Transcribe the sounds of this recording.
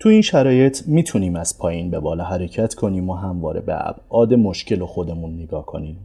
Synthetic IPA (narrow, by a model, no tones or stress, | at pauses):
t̪ʰuiːnʃæɾɒːje̞t̪ʰmiːt̪ʰuniːmæz̥pʰɒːjiːnbe̞bɒːlɒːɦæɾe̞cʰæt̪ʰkʰo̞niːmoɦæmvɒ̰ːɾe̞̰bḛæ̰b̥ʔɒːd̪e̞mo̞ʃce̞loxo̞d̪e̞munːeɡɒːhkʰo̞̰niːm